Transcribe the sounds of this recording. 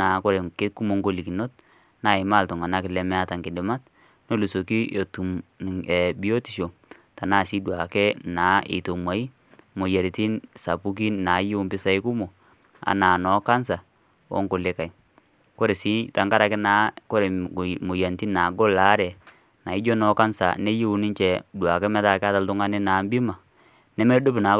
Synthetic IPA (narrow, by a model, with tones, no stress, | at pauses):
a˨ko˦ɾe˨kɪ˦ku˦mo˨˦ŋɡo˦˨li˨ki˨no˦t̚ | naː˦˨ɪ˨ma˦˨ltɔ˨ŋa˨na˦kɪ˨lɛ˦mɛ˦a˦ta˨ŋkɪ˨dɪ˨ma˦t̚ | no˦lu˨so˨ki˦o˨tu˨ɛ˨bi˦o˦ti˨ʃo˨ | ta˨na˦˨si˦dwa˨kɛ˦naː˨˦ʔɪ̰˨to˨mwa˨i˦ | mo˨ja˨ɾi˨ti˦nsa̰˨pu˦k̬i˦na˨˦jmpɪ˦sa˦ɪ˦ku˦mo˨ | a̰˨na˨nɔ˨˦ka˦nsa˨ | ɔ̰˦ŋko˨le˨˦ka˨i˨ | ko˦ɾe˨si˦ta˨ŋka˦ɾa˨kɪ˦na˨˦ko˦ɾe˨mo˨ja˨nti˦na˨ɡɔ˦la˨˦ɾɛ˨ | na˨ɪ˦d͡ʒo˦nɔ˨˦ka˦nsa̰˨ne˦je˦u˨˦nɪ˦ɲt͡ʃɛ˨dwa˨kɛ˦mɛ˦ta˦˨kɪ˦a˦ta˨ltʊ˦ŋa˦nɪ˦naː˨˦mbi˦ma˨ | nɛ˦mɛ˦do˦pna˨˦